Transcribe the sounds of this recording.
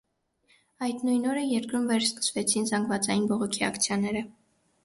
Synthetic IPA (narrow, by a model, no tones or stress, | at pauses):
ɑjd̪nujnɔɾəjɛɾkɾumvɛɾskə̥svɛt͡sʰinzɑŋɡvɑt͡sɑjinbɔʁɔkʰiɑ̰kt͡sʰjɑnɛɾə